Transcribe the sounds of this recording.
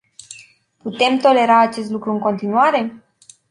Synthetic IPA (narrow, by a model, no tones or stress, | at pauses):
put̪e̞mt̪o̞le̞ɾaːt͡ʃe̞s̬t̪lukɾuɨŋko̞nt̪inuaɾe̞